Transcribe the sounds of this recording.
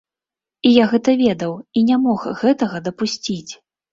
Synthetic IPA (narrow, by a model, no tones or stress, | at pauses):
ijaɣɛt̪ɐvʲɛd̪ɐwinʲamɔxɣɛt̪ɐɣɐd̪ɐpusʲt͡sʲit͡sʲ